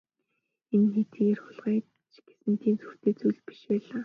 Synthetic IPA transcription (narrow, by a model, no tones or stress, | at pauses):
enxet̪iːerxʊɮʁiː | t͡ɕɡ̥e̥sɘ̆nt̪ʰiːnt͡sur̥t̪eːt͡sujɮpi̥ʃpæːɮaː